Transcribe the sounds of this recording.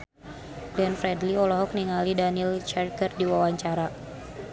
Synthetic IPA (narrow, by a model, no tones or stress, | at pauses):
bliɛnfɾɛdliɔlɔɦɔk̚niŋalidanilt͡ʃɛrkərdiwawaɲt͡ʃaɾa